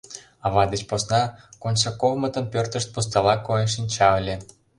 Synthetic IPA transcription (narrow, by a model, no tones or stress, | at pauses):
ɑβɑd̪et͡ɕposnɑkonʲsɑkovmə̆t̪ə̆mpørt̪ə̆ʃt̪̚pust̪ɑlɑkojenʃ̬inʲt͡ɕɑə̆lʲe